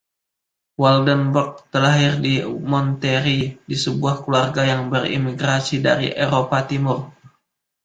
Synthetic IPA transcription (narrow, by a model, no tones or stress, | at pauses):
wɔldənbɔk̚t̪əlaɦɪrdimɔnt̪eɾidisəbuahkluarɡajaŋbərḭmiɡɾasida̰ɾḭʔeɾopat̪imʊr